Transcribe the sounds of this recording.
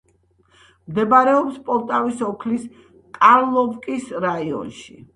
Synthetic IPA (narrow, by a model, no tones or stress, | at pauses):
md̪ɛbaɾɛɔpspʼɔɾt̪ʼavisɔkʰlis | kʼaɾlˠɔvkʼisɾaiɔ̰nʃḭ